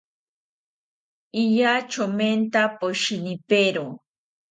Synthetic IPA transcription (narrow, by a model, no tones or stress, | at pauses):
iʎat͡ʃoment̪apoʃinipeɾo